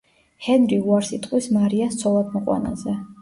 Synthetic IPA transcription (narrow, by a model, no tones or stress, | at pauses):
hɛnɾiuaɾsit̪ʼqʼwismaɾiast̪sʰɔlˠad̪mɔqʼwa̰na̰zɛ